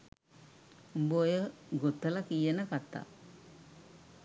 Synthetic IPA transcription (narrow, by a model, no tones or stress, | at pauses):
bojəɡot̪ːəlakijənəkat̪ːa̰